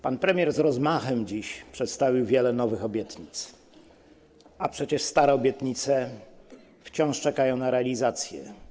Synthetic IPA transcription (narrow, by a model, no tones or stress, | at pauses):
panpɾɛmʲjɛɾzɾɔzmaxɛmd͡ʑiɕpʂɛt̪st̪avʲiwvʲjɛlɛnɔvɘxɔbʲjɛt̪ɲit̪s | ʔapʂɛt͡ɕɛʂst̪aɾɛɔbʲjɛt̪ɲit̪sɛ | ft͡ɕɔ̃w̃ʂt͡ʂɛkajɔ̃w̃naɾɛalʲizat̪sʲjɛ̰